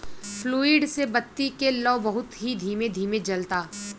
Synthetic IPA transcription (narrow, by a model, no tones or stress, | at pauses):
fluːɪɖsebɐt̪ːikelɔːbɐɦʊt̪ɦid̪ʱiːmed̪ʱiːmed͡ʒɐlt̪aː